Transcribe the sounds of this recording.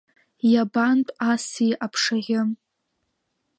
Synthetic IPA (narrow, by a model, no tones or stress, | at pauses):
jabantʼasiʔapʰʂaʁʲɪm